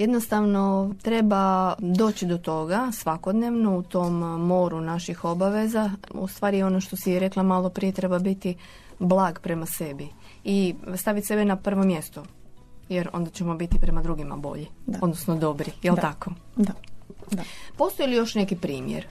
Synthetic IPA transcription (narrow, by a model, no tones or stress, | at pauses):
jed̪nost̪aʋno̞t̪ɾe̞bad̪o̞ːt͡ɕid̪o̞t̪o̞ɡasʋako̞d̪ne̞ʋnout̪o̞mːoɾunaʃixo̞baʋe̞zaṵst̪ʋaːɾijeo̞noʃt̪o̞sijɛɾe̞klˠamalˠo̞pɾije̞t̪ɾe̞babit̪i | blˠaːɡpɾe̞mase̞bi | ist̪aʋit̪se̞benapr̩ʋo̞mje̞st̪ojeɾo̞̰nd̪at͡ɕe̞mo̞bit̪ipɾe̞mad̪ɾuɡima̰bo̞̰ʎiod̪nosnod̪o̞bɾijelt̪ako̞ | po̞st̪ojlijo̞ʃne̞kipɾiːmjḛɾ